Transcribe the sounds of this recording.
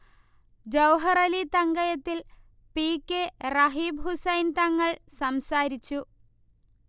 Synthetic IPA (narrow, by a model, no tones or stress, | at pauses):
d͡ʑɐwɦɐrɐlit̪ɐŋɡɐjɐt̪ːil | piːkːerɐɦiːbɦusɐjnt̪ɐŋːɐɭsɐmsaːɾit͡ɕːu